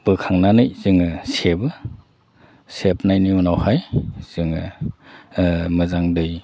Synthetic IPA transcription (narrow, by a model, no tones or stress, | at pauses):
b̥ɯkʰaŋnanɯjzɯŋɯsebɯ | sep̚najnijɔnawhajz̥ɯŋɯ | mɯzaŋdɯj